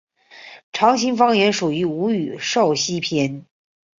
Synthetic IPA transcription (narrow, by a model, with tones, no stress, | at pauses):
ʈ͡ʂʰɑ˧˥ŋɕi˧˥ŋfɑ˥ŋjɛ˧˥nʂu˨˩y˧˥u˧˥y˨˩ʂo˥˩ʊɕi˥pʰjɛ˧˥n